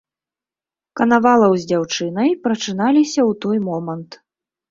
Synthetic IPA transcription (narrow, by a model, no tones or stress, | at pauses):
kɐnavalˠɐwzʲd͡zʲawt͡ʂɨn̪ɐjpɾɐt͡ʂɨnalʲisʲɐwt̪ɔjmɔmɐnt̪